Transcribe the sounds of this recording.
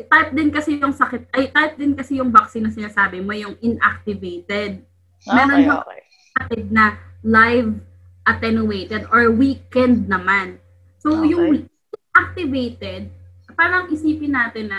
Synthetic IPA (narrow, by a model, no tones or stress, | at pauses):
t̪ajp̚d̪ɪnkɐsɛjʊŋsɐkɪt̪̚ʔɐjt̪ajp̚d̪ɪnkɐsɛjʊŋbɐk̚sɪnːɐsɪnaːsaːbɪmo̞jʊŋʔɪnʔa̰k̚t̪ɪvejt̪ɛd̪̚ | mɛːɾond͡ʒɐ | pɐt̪ɪd̪̚nɐlajv | ʔɐt̪ɛnʊwejt̪ɛd̪ʔoɹwiːkɛnd̪̚nɐman | sojʊŋ | ɪnʔak̚t̪ɪvejt̪ɛd̪̚ | paːɾɐŋʔɪsiːpɪnːaːt̪ɪnːɐ